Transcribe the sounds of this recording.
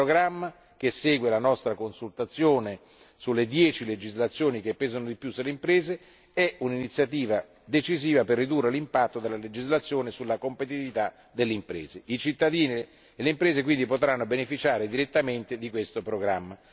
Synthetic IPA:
ɾoɡɾamːa | k̟esɛːɡwelanɔst̪ɾakonsult̪at̪sːjoːne | sulːed̪jɛːt͡ʃiled͡ʒizlat̪sːjoːnik̟epːɛːzonod̪ipjusulːeimpɾeːze | ɛuninit̪sːjat̪iːva | d̪et͡ʃiziːvaperːid̪urːelimpat̪ːod̪elːaled͡ʒizlat̪sːjoːnesulːakompet̪̬it̪ivit̪a | d̪elːeimpɾɛ̰ːzeit͡ʃit̪ːad̪iːni | elːeimpɾɛːzek̬wind̪ipot̪ɾanːobenefit͡ʃaːɾed̪iɾet̪ːament̪ed̪ikwest̪opɾoɡɾa̰mːa

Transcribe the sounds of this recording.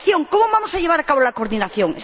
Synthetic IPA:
θjoŋkomoβamosaʎeβaɾakaβolakoɾðinaθjõŋ

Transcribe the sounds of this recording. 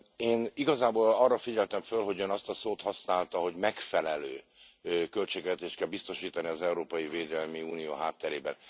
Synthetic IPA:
eːniɡɒzaːboːlɒrːɒfiɟɛlt̪ɛɱfølɦo̞ɟønɒst̪ɒsoːt̪hɒsnaːlt̪ɒɦo̞ɟmɛkfɛlɛløː | kø̞lt͡ʃeːɡvɛt̪eːʃt̪̚kɛlbist̪o̞ʃiːt̪ɒniɒzɛuɾoːpɒjiveːd̪ɛlmiuːnijoːɦaːt̪ːɛɾeːbɛ̰n

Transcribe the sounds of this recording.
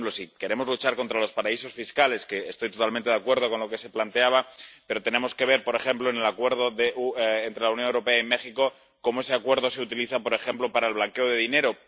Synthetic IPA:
plo̞sike̞ɾe̞mo̞zlut͡ʃaɾko̞nt̪ɾalo̞spaɾaiso̞sfiskale̞ske̞ːst̪o̞jt̪o̞t̪alment̪eðakweɾð̞o̞ko̞nlo̞ke̞se̞plant̪e̞aβ̞ape̞ɾo̞t̪e̞nẽ̞mo̞ske̞β̞e̞ɾpo̞ɾe̞xe̞mplo̞ene̞lakwe̞ɾð̞o̞ðeuːnt̪ɾelawnjonewɾo̞pe̞aime̞xiko̞ | ko̞moe̞se̞akwe̞ɾð̞o̞se̞ut̪iliθapo̞ɾe̞xe̞mplo̞paɾaelβlaŋke̞o̞ð̞e̞ðine̞ɾo

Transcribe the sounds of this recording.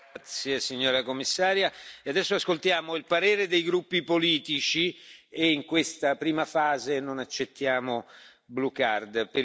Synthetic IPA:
t̪sjesiɲːoːɾakomːisːaːɾjaead̪ɛsːoaskolt̪jaːmoilpaɾeːɾed̪ejɡɾupːipoliːt̪it͡ʃieiŋkwest̪apɾiːmafaːzenonat͡ʃːet̪ːjaːmo | blukard̪pe

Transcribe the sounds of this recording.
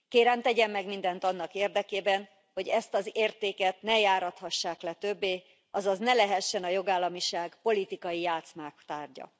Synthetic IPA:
keːɾɛmt̪ɛɟɛmːɛɡmind̪ɛnt̪ɒnːɒkeːrd̪ɛkeːbɛn | ho̞ɟɛst̪ɒzeːrt̪eːkɛt̪nɛjaːɾɒt̪hɒʃːaːklɛt̪ø̞bːeː | ɒzɒznɛlɛɦɛʃːɛnɒjo̞ɡaːlːɒmiʃaːɡpo̞lit̪ikɒjijaːt̪smaːkt̪aːrɟɒ̰

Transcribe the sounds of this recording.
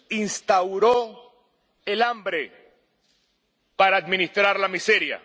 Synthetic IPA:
inst̪awɾo | elambɾe | paɾaːd̪mĩnist̪ɾaɾlamiseɾja̰

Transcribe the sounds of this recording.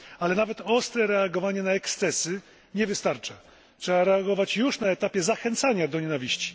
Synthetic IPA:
alɛnavɛt̪ɔst̪ɾɛɾɛaɡɔvaɲɛnaɛkst̪sɛsɘ | ɲɛvɘst̪aɾt͡ʂa | tʂɛaɾɛaɡɔvat͡ɕjuʂnaɛt̪apʲjɛzaxɛnt̪saɲad̪ɔɲɛnavʲiɕt͡ɕi̥

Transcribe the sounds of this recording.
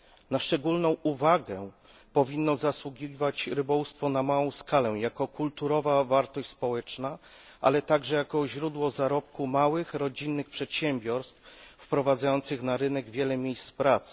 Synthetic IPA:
naʂt͡ʂɛɡulnɔ̃w̃uvaɡɛ | pɔvʲinːɔzaswuɡʲivat͡ɕɾɘbɔwust̪fɔnamawɔ̃w̃skalɛjakɔkult̪uɾɔvavaɾt̪ɔɕt͡ɕʲspɔwɛt͡ʂna | ʔa̰lɛt̪aɡʐɛjakɔʑɾud̪wɔzaɾɔp̚kumawɘxɾɔd͡ʑinːɘxpʂɛt̪ɕɛmbʲjɔɾst̪ffpɾɔvad̪zajɔnt̪sɘxnaɾɘnɛɡvʲjɛlɛmʲjejst̪pɾat̪sɘ̥

